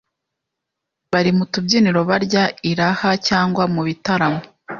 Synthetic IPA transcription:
βaɾimutubɟiːniɾo̞βaɾɟaiɾahacaːŋɡwamuβitaɾamo

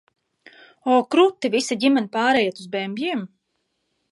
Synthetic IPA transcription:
ɔːkɾut̪ːivisaɟʲimɛnipaːɾɛjat̪uzbɛmʲbʲjim

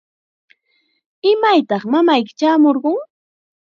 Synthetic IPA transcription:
ɪmajt̪ɑχmamajkɪ̥t͡ʃaːmoɾɢʊŋ

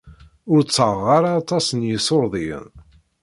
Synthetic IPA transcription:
ʊɾt͡sːʁːaɾaːt̪ˤɑsənjəsoɾðˤiə̰n

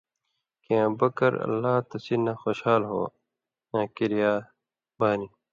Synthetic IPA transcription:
kẽbɐkɐɾɐ̰lːaːt̪ɐsilnːaːxoːɕhaːlɦo̰ː | ãːkiɾijaː | baːni

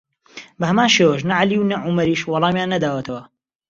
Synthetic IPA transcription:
bɐhɐmaːnʃeːwəʃ̬nɐʕaliwnɐʕumɐɾiːʃwɑlˠɑːmjaːnːɐd̪aːwɐt̪ʰɐwɐ

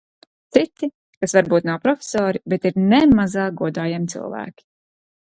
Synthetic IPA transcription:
t̪sit̪i | kasvaɾbuːt̪nawpɾɔfʲe̥sɔːɾibɛt̪iɾnɛmazaːɡuɔd̪aːjamit̪sḭlˠvæ̰ːkʲi̥

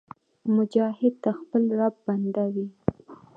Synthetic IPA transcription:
mʊd͡ʒɑhɪd̪̚t̪axpəlɾab̚band̪awi

